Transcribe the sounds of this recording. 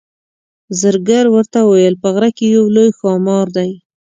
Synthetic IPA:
zəɾɡaɾwəɾt̪awajəlpəɣɾakejawlojxɑmɑɾd̪aj

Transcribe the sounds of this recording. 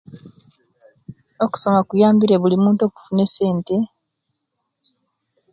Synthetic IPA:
o̞ku̥so̞makujaːmbiɾeβulimuːnto̞ːku̥funese̞ːnte̞

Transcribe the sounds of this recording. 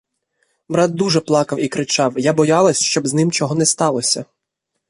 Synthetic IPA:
bɾɑt̪̚d̪uʒɛplˠɑkɐwikɾɪt͡ʃɑwjabɔjɑlˠɐsʲʃt͡ʃɔbznɪmt͡ʃɔɦɔnɛst̪ɑlˠɔsʲɐ

